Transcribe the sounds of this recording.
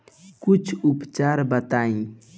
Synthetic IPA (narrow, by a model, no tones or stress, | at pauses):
kut͡ʃʰupt͡ʃaɾbət̪aĩ